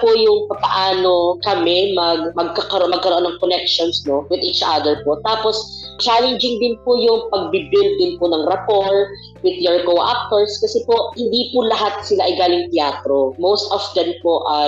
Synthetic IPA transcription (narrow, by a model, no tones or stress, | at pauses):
pʊjʊŋpɐpɐʔaːnokɐmɛmɐɡmɐɡ̚kɐkɐɾoʔomɐɡ̚kɐɾoʔonːɐŋkonɛkʃonsnowɪd̪iːt͡ʃʔad̪ɛɹpot̪aːpost͡ʃalɛnd͡ʒɪŋd̪ɪnpʊjʊŋpɐɡ̚bibɪlt̪̚d̪ɪnpʊnɐŋɾɐpoɹ | wɪd̪joɹkowʔa̰k̚t̪oɹskɐsɛpoʔhɪnd̪ipʊlɐɦat̪̚sɪlaʔɐjɡaːlɪŋt̪ɪaːt̪ɾomowst̪ɔfd̪ɛmpoʔɐ